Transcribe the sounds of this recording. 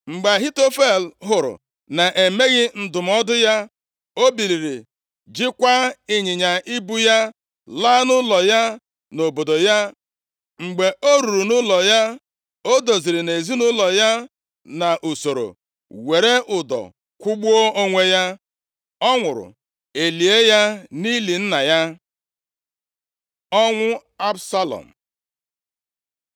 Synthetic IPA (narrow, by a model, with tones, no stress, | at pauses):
ŋ͡m̩˨ɡ͡ba˨ɦi˦to˦fe˦˨lɦʊ˨ɾʊ̰˨ | na˨ʔe˨me˦ɣɪ˦n̩˦dʊ˨m̩˦ɔ˦dʊ˦ja˦ | o˦bi˨li˨ɾi˨ | d͡ʒɪ˦kʷa˦ɪ˦ɲɪ˨ɲa˨ʔi˦bu˦ja˦ | laː˦nʊ˦lɔ˨ja˦ | no˨bo˨do˨ja˦ | ŋ͡m̩˨ɡ͡be˨o˦ɾu˨ɾu˨nʊ˦lɔ˨ja˦ | o˦do˨zi˨ɾi˨ne˨zi˦nʊ˦lɔ˨ja˦ | na˨ʔu˨so˨ɾo̰˨ | we˨ɾe˦ʔʊ˨dɔ̰˨ | kʷʊ˦ɡ͡bu˦o˦o˦ŋʷe˦ja˦ | ɔ˦ŋʷʊ˨ɾʊ̰˨ | e˨li˨e˦ja˦ni˦li˨n̩˦na˨ja˦ | ɔ˦ŋʷʊ˦a˦bsa˦lɔ̰˨m̩˨